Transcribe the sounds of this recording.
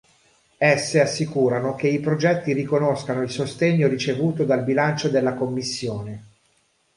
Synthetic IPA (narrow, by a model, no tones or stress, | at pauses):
ɛsːeasːikuːɾanok̟eipɾod͡ʒɛt̪ːirikonoskanoilsost̪eɲːoɾit͡ʃevuːt̪od̪albilant͡ʃod̪elːakomːisːjoːne